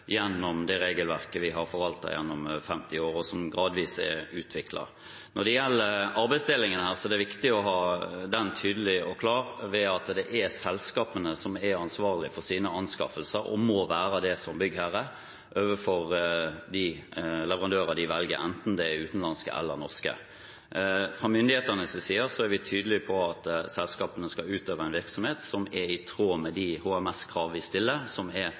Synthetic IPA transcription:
jɛnːɔmd̪ɛɾeːɡəlʋæʁkəʋɪɦɑɾfɔɾʋɑlt̪ɑ̰jɛ̰nːɔmfɛmt̪ɪoːɾɔsɔmɡɾɑːd̪ʋiːsɛ̰ʉːt̪ʰʋɪklɑ̰ | nɔd̪ɛjɛlːəɑɾbæɪsd̪eːlɪŋənhæːʁsɔɛd̪ɛʋɪkt̪ɪɔɦɑːd̪ɛnt̪ʰyːd̪əlɪɔkʰlɑːɾʋɛɑt̪d̪ɛʔæsɛlskɑːpənəsɔmɛɾɑnsʋɑːʁlɪfɔʁsiːnəɑnskɑ̰fəlsəɾɔ̰mɔʋæːɾəd̪ɛsɔmbʏɡːhæɾə | ʔøːʋəfɔʁd̪ɪlɛʋəʁɑnd̪øːʁɑd̪ɪʋɛlɡə̰ɾɛ̰nt̪n̩d̪ɛɛʉːt̪n̩lɑnskə̰ɛ̰lːəɾnɔʁskə̰ | fʁɑmʏnd̪ɪheːt̪ənəsʋɪsiːəɾsɔæɾʋɪt̪ʰyːd̪əlɪpʰɔɑt̪sɛlskɑːpənəskɑʉːt̪øːʋəæɪnʋɪʁksɔmheːt̪sɔmɛɾɪt̪ʰɾoːmɛd̪ɪhuːæmɛskʰʁɑːʋʋɪst̪ɪlːəsɔmɛ

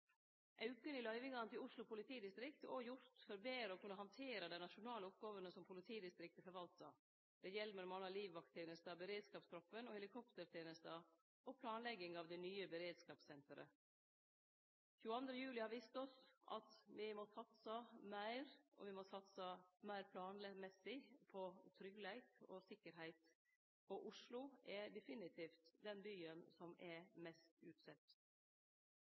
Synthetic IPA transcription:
ʔɑʉkənɪlœʏʋɪŋɑnət̪ɪlʊslʊpʰʊlɪt̪ʰiːd̪ɪst̪ɾɪkt̪ɔjʊɾt̪fɔɾbeːɾɔkʰʉnːəɦhɑnt̪ʰeːɾɑd̪ɛɪnɑʃʊnɑːləʊp̚ɡɑːʋənəsɔmpʰʊlɪt̪ʰiːd̪ɪst̪ɾɪk̚t̪əfɔɾʋɑlt̪ə̰ | d̪̥ɛjɛlːmɛlɔmɑnɑliːʋʋɑk̚t̪ʰːeːnəst̪əbəɾeːd̪skɑːpst̪ʰɾɔfənɔhɛlɪkʰɔpt̪əɾt̪ʰeːnəst̪ə | ɔpʰlɑːnlɛɡːɪŋɑʋd̪ɛnyːəbəɾeːd̪skɑːpsɛnt̪əɾə̰ | çʉːəɑnd̪ɾəjʉːlɪhɑːɾʋiːst̪ɔsʔɑ̰t̪ʋɪmoːsɑt̪səmæɪɾʔɔ̰ʋɪmosɑt̪səmæɪɾpʰlɑːnlɛmɛsːɪpʰɔt̪ʰɾʏɡlæɪkɔ̰sɪkːəɾɦæɪt̪ | pɔʔʊʂlʊʔɛd̪ɛfɪnɪt̪ʰiːft̪d̪ɛnbyːənsɔmɛɾmɛst̪ʉːt̪sɛt̪ː

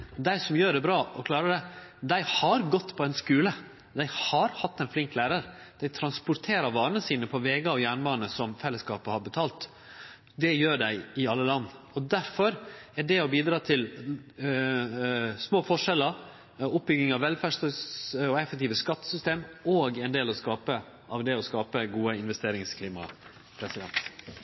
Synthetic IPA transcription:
d̪æɪsɔmjøːɖɛbɾɑːʔɔkʰlɑːɾəɖɛd̪æɪhɑɾɡɔt̪ːpʰɔɛnskʉːlə | d̪æɪhɑɾhɑt̪ːɛɪnflɪŋklæːɾəɾd̪̥æɪt̪ʰɾɑnspʊɾt̪ʰeːɾɑʋɑːɾənəsiːnəpʰɔʋeːɡɑɔjæːɳbɑːnəsɔmfɛlːəskɑ̰ːpəhɑɾbət̪ʰɑːlt̪ | d̪ɛjøːɖæɪɪɑlːəlɑnː | ɔd̪æɾfɔɾæɖɛɔbiːd̪ɾɑːt̪ʰɪl | smoːfɔʂɛlːəɾ | ʊp̚bʏɡɪŋɑʋʋɛlfæːʂ | ɔɛfɛk̚t̪iːʋəskɑt̪ːə̥sʏst̪eːmoːɡɛɪnd̪eːlɔskɑːpə | ʔɑʋd̪ɛɔskɑːpəɡuːəɪnʋɛst̪eːɾɪŋskʰliːmɑ̰ | pʰɾɛsɪd̪ɛ̰nt̪

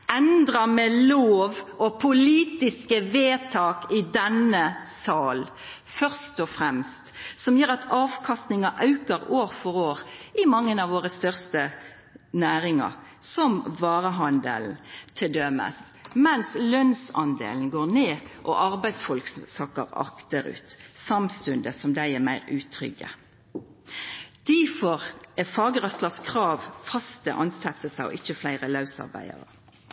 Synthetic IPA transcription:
ɛnd̪ɾɑmɛloːʋɔpʰʊliːt̪ɪskəʋeːt̪ʰɑːkɪd̪ɛnəsɑːl | fœʁst̪ɔfʁɛmst̪sɔmjøːɾɑt̪ʰɑːʋkʰɑst̪nɪŋɑʔɑʉkəɾoːɾfɔɾoːɾʔɪmɑŋːənɑʋoːɾəst̪œʁst̪ə | næːɾɪŋɑ̰ɾ | sɔmʋɑːɾəɦɑnd̪ə̰ln̩t̪ʰɪld̪œmə̰s | mɛnslœnsɑnd̪ḛːln̩ɡoːʁneːʔɔʔɑʁbæɪsfɔlksɑkəʁɑ̰kt̪əɾʉ̰ːt̪sɑmst̪ʉnd̪əsɔmd̪æɪɛmæɪʁʉːt̪ʰʁʏ̰ɡə̰ | d̪̥æfɔʁɛfɑːɡəʁœslɑskʰʁɑːʋfɑst̪əʔɑnsɛt̪ːəsæɪɔ̰ʔɪçːəflæɪʁəlɑʉsɑ̰ʁbæ̰ɪə̰ʁə̰

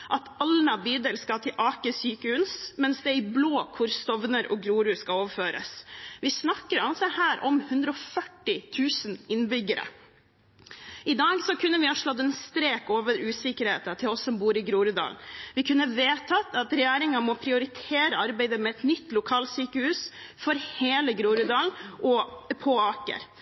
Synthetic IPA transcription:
ʔɑt̪ɑlnɑbyːd̪əlskɑt̪ʰɪlʔɑːkəsyːkəhʉnsmɛnsd̪ɛæɾɪbloːkʰʊɾst̪ɔʋnəɾʔɔ̰ɡɾuːɾʉskɑoːʋəføːɾə̰sʋɪsnɑkːəɾɑlsɛhæːɾʔɔmhʉnd̪ɾəɔfœʈːɪt̪ʰʉːsənɪnbʏɡəɾə̰ | ɪd̪ɑːɡsɔkʰʉnːəʋɪhɑːʂɭɔt̪ːɛnst̪ɾeːkoːʋəɾʉːsɪkəɾhḛːt̪ɑt̪ʰɪlɔsːɔmbuːɾɪɡɾuːɾʉd̪ɑ̰ːlnʋɪkʰʉnːəʋeːt̪ʰɑt̪ɑt̪ɾɛjæːɾɪŋɑmɔpʰɾɪʊɾɪt̪ʰeːɾəɑɾbæɪd̪əmɛɛt̪nʏt̪ːlʊkʰɑːlsyːkəhʉːsfɔɾheːləɡɾuːɾʉd̪ɑːlnʔɔpʰoːɑːkə̰ɾ

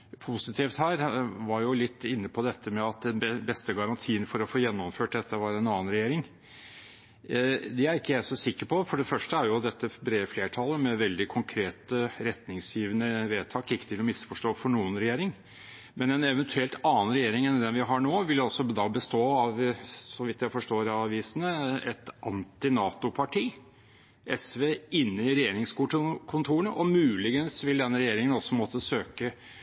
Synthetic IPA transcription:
pʰʊsɪt̪ʰiːft̪hæːɾʋɑɾjʊlɪt̪ːɪnːəpʰɔd̪ɛt̪ʰːəmɛɑt̪̚d̪ɛnbɛst̪əɡɑɾɑnt̪ʰiːənfɔɾɔfoːjɛnːɔmføːʈ̚d̪ɛt̪ːəʋɑɾɛnɑːnɾɛjeːɾɪŋ | d̪ɛæɾɪkːəjæɪsɔsɪkːəpʰɔfɔɖɛfœʂʈəæɾjʊd̪ɛt̪ːəbɾeːfleːʈʰɑlːəmɛʋɛld̪ɪkʰʊŋkʰɾeːt̪əɾɛt̪nɪŋsjiːʋənəʋeːt̪ʰɑːkɪkːət̪ʰɪlɔmɪsfɔʂʈoːfɔɳuːənɾɛjeːɾɪŋ | mɛnɛnɛʋənt̪ʰʉɛlt̪ɑːnɾɛjeːɾɪŋɛnd̪ɛnʋɪɦɑɳoːʋɪlɑsɔd̪ɑbəst̪oːɑʋsɔʋɪt̪jæɪfɔʂʈoːɾɑʋiːsənəɛt̪ʔɑnt̪ɪnɑːt̪ʊpʰɑʈʰiː | ʔɛsʋeːɪnːəɪɾɛjeːɾɪŋskuːʈkʰʊnt̪ʰuːɾəɳəʔɔmʉːlɪɡənsʋɪld̪ɛnːəɾɛjeːɾɪŋənɔsːɔmɔt̪ːəsøːkə

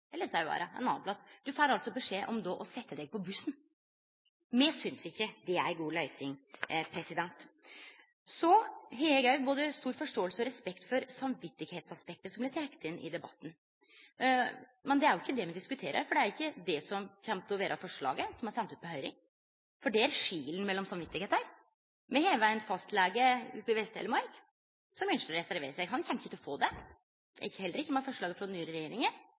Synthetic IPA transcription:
ɛlːəɾsɔɑbɑ̰ːɾʔɑɛ̰nɑ̰ːpʰlɑsd̪̥ʉfæːɾɾɑlsɔbɛʂeːʔɔmd̪oːʔɔsɛt̪ːəd̪ɛɡ̚pʰɔbʉsn | mɛsʏnsɪçːəd̪ɛæɾɡuːlœʏsɪŋpʰɾɛsɪd̪ɛnt̪ | sɔɦeːəɡœʏboːd̪əst̪uːɾfɔʂʈoːəlsəɔɾɛspɛkt̪fɔɾsɑmʋɪt̪ːɪɡheːt̪sɑspɛk̚t̪əsɔmblɪʈ̪ʰɾɛkːə̥t̪ɪnːʔɪ̰d̪ɛbɑ̰t̪ːn̩ | mɛnd̪ɛæɾjʊɪçːəd̪ɛmɛnd̪ɪskʉt̪ʰeːɾə̰ɾfɔɖɛæɾɪçːəd̪ɛsɔmçɛmt̪ɔʋeːɾʔɑfɔʂɭɑ̰ːɡəsɔmhɑɾsɛnt̪ʉːt̪̚pɔɦœʏɾɪ̰ŋ | fɔɖɛæɾʂiːlən̩mɛlːɔmsɑmʋɪt̪ːɪɡeːt̪əɾ | mɛheːləʋæɪnfɑst̪lɛɡəʉpɪʋɛst̪ḛləɾmɑɾk | sɔmɛnʂəɾɛsæɾʋeːɾəsæɪhɑnçɛnɪçːət̪ʰɔfoːd̪ɛ̰ | ɪçːəhɛlːəɾɪçːəmɛfɔʂɭɑːɡəfɾɔnyːɾəɾɛjeːɾɪŋən

